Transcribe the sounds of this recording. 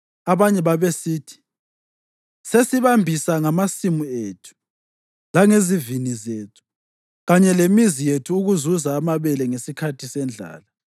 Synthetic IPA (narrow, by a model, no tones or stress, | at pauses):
aβaɲɛβaβesiːtʰi̥ | sesiβambʱisaŋamasimueːtʰu̥ | laŋezivinizeːtʰu̥ | ɣaɲɛlemizijetʰuːɣuzuzaːmaβɛlɛŋesikʰatʰisɛnd͡ɮʱa̰ːla